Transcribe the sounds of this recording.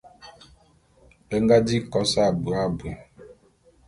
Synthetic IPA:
e˦ŋ˦ɡa˦di˦˨kɔ˦sa˦˨bu˨a˦˨bu˨ɛ˨

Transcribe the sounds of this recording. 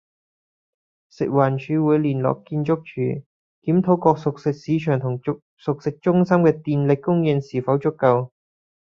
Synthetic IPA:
sɪ̰˨k̚waː˨˩nt͡ʃʰyː˨˧wuː˨˧jliː˨˩nlɔ̰ː˨˩kːiː˧nt͡ʃʊ˥k̚t͡ʃʰyː˨˩ | kiː˨˥mt̪ʰo˨˥wkɔː˧k̚sʊ˨k̚sɪ˨k̚siː˨˧t͡ʃʰœː˨˩ŋt̪ʰʊ˨˩ŋ | sʊ˨k̚sɪ˨k̚t͡ʃʊ˥ŋsɐ˥mkɛː˧t̪iː˧nlɪ˨kkːʊ˥ŋjɪ˧nsiː˨˩fɐ˨˥wt͡ʃʊ˥kːɐ˧w

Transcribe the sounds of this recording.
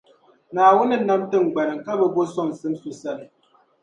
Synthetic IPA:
naː˨wu˦nə˦na˦mtə˦ŋ̩˨ɡ͡bɛ˨n˨ŋ̩˨ka˦bə˦bo˦sɔ˦˨ŋ̩˨sɨ˨˦msu˨sa˦˨

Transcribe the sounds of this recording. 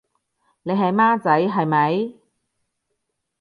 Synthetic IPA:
ne˨˧jɦɐ˨˧jmaː˥t͡sɐ˨˥jɦɐ˨jmɐ˨˧j

